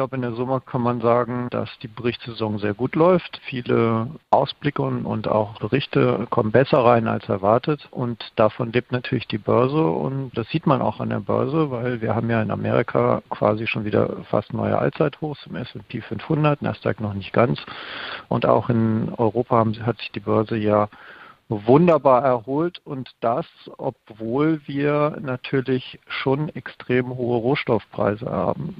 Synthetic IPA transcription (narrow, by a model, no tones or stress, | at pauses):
ɪçlaʊbəɪndeːɐzʊməkʰanmanzaːɡŋ̩d̥a̰sd̥iːbəʁɪçtsz̥ezɔŋzeːɐɡuːtlɔʏftfiːləʔaʊsb̥lɪkənʊ̰nta̰ʊxb̥əʁɪçtəkʰɔmənbɛsɐʁaɪna̰lsɛɐvaɐtətʔʊntd̥afɔnleːp̚tnatʰyːɐlɪçd̥iːbœɐzəʊ̰ntd̥asz̥iːtmanʔa̰ʊxa̰ndḛːɐbœ̰ɐzəvaɪlviːɐɦaːbm̩jaːɪna̰meːʁɪkʰa̰ːkʰv̥a̰ːziʃoːnviːdɐ̰fa̰stnɔ̰ʏə̰ʔa̰lt͡saɪthoːxt͡sʊmɛsɛnpʰeːfʏnfhʊndɐtnʔa̰sta̰knɔχnɪçt̚ɡ̥ant͡sʔʊ̰nta̰ʊxɪnɔʏʁoːpʰahatz̥ɪ̥çd̥iːbœɐzəjaː | vʊndɐbaːɐɛɐhoːltʊntd̥asʔɔ̰p̚v̥oːlviːɐnatʰyːɐlɪçʃoːnɛkstʁ̥eːmɦoːəʁoːʃtɔfpʁ̥a̰ɪzə̰hɐaa̰ːbm̩